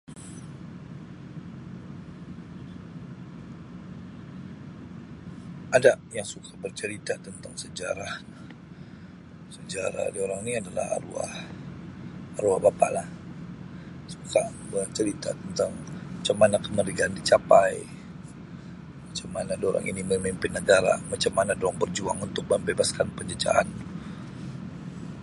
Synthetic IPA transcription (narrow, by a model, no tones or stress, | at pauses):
ʔadajaŋsukʰabərt͡ʃəɾit̪at̪ənt̪aŋsəd͡ʒaɾah | səd͡ʒaɾa̰dioɾaŋniadala̰ha̰rua̰h | ɾua̰hbapa̰ʔlah | sukʰa | bərt͡ʃəɾit̪at̪ənt̪aŋmat͡ʃamːanakəməɾiɡaːndit͡ʃapaj | mat͡ʃamanadoɾa̰ŋʔḭniməimimpɪnːəɡaɾa̰mat͡ʃamːanadoaŋbərd͡ʒuaŋunt̪ʊk̚məmbebaskanpəɲd͡ʒəd͡ʒa̰ʔa̰n